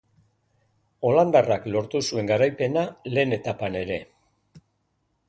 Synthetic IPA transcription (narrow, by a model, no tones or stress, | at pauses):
o̞land̪araklo̞ɾt̪usue̞ŋɡaɾajpe̞nale̞ːne̞t̪apane̞ɾe̞